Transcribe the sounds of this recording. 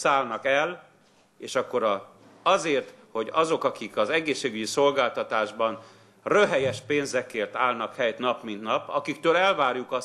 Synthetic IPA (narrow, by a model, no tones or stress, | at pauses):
saːlnɒkɛl | eːʃɒkːo̞ɾɒ | ɒzeːrt̪ho̞ɟɒzo̞kɒkikɒzɛɡeːʃːeːɡyɟiso̞lɡaːlt̪ɒt̪aːʒbɒn | røɦɛjɛʃpeːnzɛkeːrt̪aːlnɒkhɛjt̪nɒpmint̪nɒpɒkikt̪øːlɛlvaːrjukɒ